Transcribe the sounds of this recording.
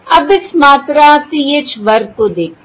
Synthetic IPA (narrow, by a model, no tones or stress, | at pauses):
ɐbɪsmaːt̪ɾãːt̪ijet͡ʃʰʋəɾt̪õːd̪eːk̚ʰ